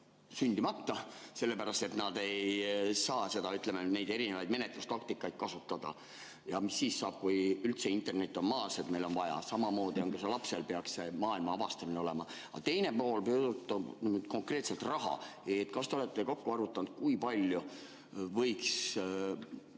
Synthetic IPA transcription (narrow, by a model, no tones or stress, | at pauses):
synʲd̪̥imɑt̪ːɑse̞lːe̞pæɾɑst̪et̪nɑd̪e̞jsɑːse̞d̪ɑyt̪lemene̞jd̪e̞ɾinevɑjd̪me̞net̪lust̪ɑkt̪ikːˑɑjt̪̚kɑsut̪ːˑɑd̪̥ɑ̰ | jɑmisːiːsːɑːb̥̚kujylt̪se̞int̪ːˑe̞rne̞t̪ʲːˑo̞nmɑːset̪me̞jlo̞nvɑjɑ̰sɑmɑmo̞ːd̪io̞ŋɡ̥ɑselɑpse̞lpe̞ɑksse̞mɑːilmɑɑvɑst̪ɑmineo̞le̞mɑ | ɑ̰t̪e̞jne̞po̞ːlpøːd̪ut̪ːˑɑnyd̪̚ko̞ŋkre̞ːt̪se̞lt̪rɑɦɑ̰et̪kɑst̪eo̞le̞t̪ːˑe̞ko̞kːuɑɾut̪ːˑɑnd̪̥̚kujpɑlʲju | vɤjks